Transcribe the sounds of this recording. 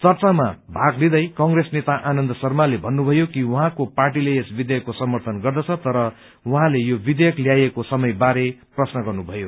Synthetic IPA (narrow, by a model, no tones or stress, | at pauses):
t͡sʌrt͡samabʱaɡlid̪ʌjkʌŋresnet̪aʔanʌnd̪ʌsʌrmalebʱʌnːubʱʌjokiwuɦãkoparʈileesbid̪jʌkːosʌmʌrt̪ʰʌnɡʌrd̪ʌt͡sʰʌt̪ʌɾʌ | wʌɦãlejobid̪ejʌkljajekosʌmʌjbaɾeprʌsnʌɡʌrnubʱʌjo